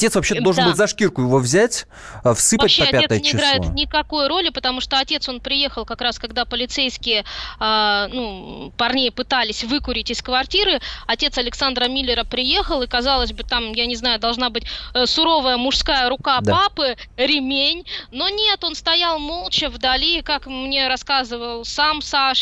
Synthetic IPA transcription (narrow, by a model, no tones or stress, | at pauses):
ɐtʲe̞t̪svɐpɕed̪olˠʐnnbɨlˠʲzɐʂkʲirkʊjɪvo̞vzʲætʲ | fsɨvpətɕːeɐɐpʲaet̪əsjnʲɪɪɡ̪ɾlajɪt̪nʲɪkɐko̞jɾo̞lʲɪpət̪ɐmuʂt̪o̞ɐtʲe̞t̪so̞npɾʲɪje̞xəlˠkɐkɾaskɐɡd̪apəlʲɪt̪sejskʲɪjəanupɐrnʲejəpɨt̪alʲɪsʲvɨkʊɾʲɪtʲɪskvɐrtʲiɾɨɐtʲe̞t̪sɐlʲɪksand̪ɾəmʲilʲːɪɾəpɾʲɪje̞xəlˠɨkɐzalˠəzʲbɨt̪amjanʲɪznajʊd̪ɐlˠʐnabɨtʲsʊɾo̞vəjəmʊʂskajəɾʊkap̪papɨɾʲɪmʲenʲno̞nʲet̪o̞nst̪ɐjalˠmo̞lˠt͡ɕɪvd̪ɐlʲikakmnʲe̞ɾɐskazɨvəlˠsamsaʂ